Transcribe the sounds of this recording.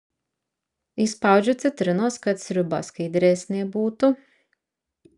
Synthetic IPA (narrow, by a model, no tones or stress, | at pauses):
ispawd͡ʒut̪sɨt̪ɾɨnɔːskat̪sʲɾyba̰skid̪ʲɾɛːsʲnʲiɛbuːt̪u